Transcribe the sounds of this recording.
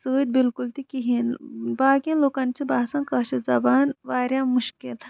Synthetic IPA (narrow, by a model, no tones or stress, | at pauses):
səːd̪̚bilkult̪ikiɦinbaːkijãloːkɐnt͡ʃʰibaːsɐ̃nkɐʃizɐbaːnʋaːɾʲjamuʃkil